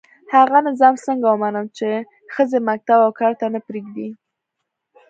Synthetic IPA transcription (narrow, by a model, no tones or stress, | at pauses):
haɣanazɑmsəŋɡawəmanəmt͡ʃe | xəzemak̚t̪abawkɑɾt̪anəpɾeɡd̪i